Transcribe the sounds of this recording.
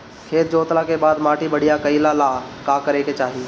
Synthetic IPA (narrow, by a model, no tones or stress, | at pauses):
kʰeːt̪̚d͡ʒoːt̪lakebaːd̪maːʈibəɽijakəilalaːkaːkəɾeket͡ʃaːɦiː